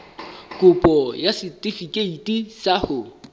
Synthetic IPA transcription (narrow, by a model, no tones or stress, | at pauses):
kʼʊpʼɔjasɪtʼifikʼeitʼisahʊ